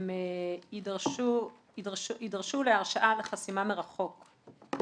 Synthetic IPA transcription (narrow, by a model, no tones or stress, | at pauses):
meidʁʃu | idʁʃidʁʃuleaʁʃaʔaleχasimameʁaχo̞k